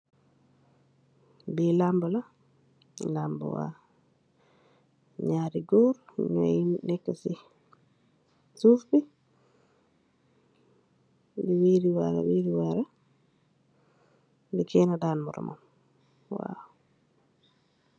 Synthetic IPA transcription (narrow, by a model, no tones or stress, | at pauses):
bilambula | lambṵwa̰ | ɲaːɾiɡoɾ̰ɲa̰innɛkːasi | suːfbi | biwiɾiwaɾa̰wiɾiwaɾa | dikɛnadaːnmuɾɔ̰ma̰m | wa̰w